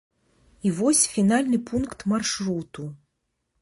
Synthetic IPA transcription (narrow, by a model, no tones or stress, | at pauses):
ivɔsʲfʲinalʲnɨpʰunkt̪marʂɾut̪u